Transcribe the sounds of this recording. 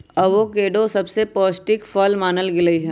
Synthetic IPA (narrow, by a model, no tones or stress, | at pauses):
ɐbʋokeːɖosɐbsepɔːsʈɪkfɔːlmaːnəlɡɪləiɦɛː